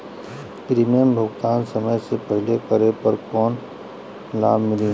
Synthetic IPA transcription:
pɾimijəmbʱʊɡt̪aːnsɐməjsepɐɦɪlekəɾepɐɾkɔːn | laːbmɪliː

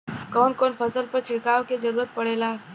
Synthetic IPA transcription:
kɔːnkoːnpʰəsəlpɐɾt͡ʃʰɪɽkaːoked͡ʒəɾuːɾət̪̚pɐɽ̤eːlaː

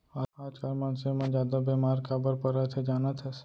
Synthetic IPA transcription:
aaːd͡ʒkaɾmaːnsemãd͡ʒjaːd̪abɛmaːɾkabəɾpəɾət̪ʰed͡ʒaːnət̪ʰɛs

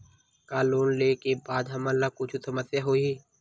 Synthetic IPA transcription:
kaːloːnleːkebaːd̪ɦɐməlːakʊt͡ʃʰusəməsjaɦoiː

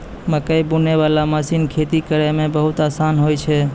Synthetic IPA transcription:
məkəjbuneβalaməsinkʰet̪ikəɾɛmebəɦut̪asanɦojt͡ʃʰɛ

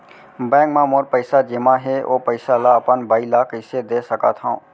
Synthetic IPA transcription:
bɛ̃ːŋɡmãmoːɾpəɪsad͡ʒemãɦeo̰ːpəɪsalaəpənbaːilaːkɪsed̪eːsəka̰t̪ʰã̰ː

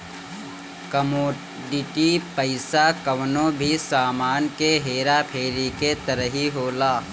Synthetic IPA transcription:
kɐmoː | ɖɪʈipəɪsakɐʋnõbʱisaːmaːnkeɦeːɾapʰeːɾiket̪ɐɾəɦiɦoːlaː

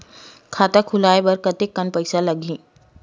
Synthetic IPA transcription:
kʰat̪akʰulajbəɾkət̪ekːənpəjsaləɡĩː

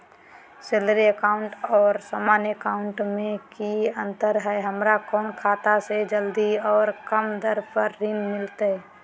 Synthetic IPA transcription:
seləɾiəkaːʊɳʈɔːɾsaːmaːnjəkaʊɳʈmẽkiə̃nt̪əɾɦɛɦəmɾakɔːnkʰaːt̪ased͡ʒəld̪iɔːɾkəmd̪əɾpəɾːinmɪlt̪eɛ

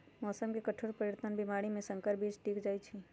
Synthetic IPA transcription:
mɔːsəmkekəʈʰoːɾpəɾjeɾt̪ʰənbimaːɽimẽsə̃ŋkəɾbiːt͡ʃʈiːkd͡ʒaːit͡ʃʰi

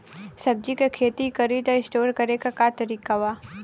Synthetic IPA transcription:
sɐb̚d͡ʒikekʰeːt̪ikɐɾiːd̪aɪsʈoːɾkɐɾekakat̪ɐɾiːkaʋaː

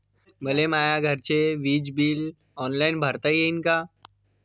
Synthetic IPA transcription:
bəlemaːjaɡʱəɾt͡ʃeʋiːd͡ʒbiːl | ɔːnlaːɪnbʱɐɾt̪aijeɪnkaː

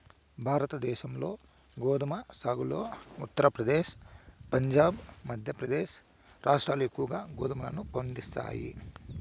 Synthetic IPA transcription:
bʱaːɾɐt̪ɐd̪ɛːʃɐmlo̞ː | ɡoːd̪ɐmɐsaːɡulo̞ːut̪ːɐɾɐpɾɐd̪eːʃpɐɲd͡ʒaːbmɐd̪ʱjɐpɾɐd̪eːʃ | ɾaːʂʈɾaːluekːuʋɐɡaːɡoːd̪ɐmɐlɐnupoɳɖist̪a̰ːjḭ

